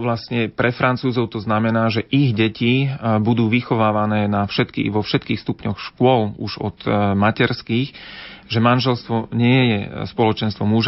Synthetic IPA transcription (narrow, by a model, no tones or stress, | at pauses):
ʋlast̪ɲɛpɾɛfɾant͡suːzɔʊt̪ɔznamɛnaːʒɛʔiɣɟɛcibud̪uːʋixɔʋaːʋanɛːnafʃɛt̪kḭːʋɔfʃɛt̪kiːxst̪upɲɔxʃkʊɔluʒɔt̪macɛɾskiːxʒɛmanʒɛlst̪ʋɔɲɪɛjɛspɔlɔt͡ʃɛnst̪ʋɔmuʒa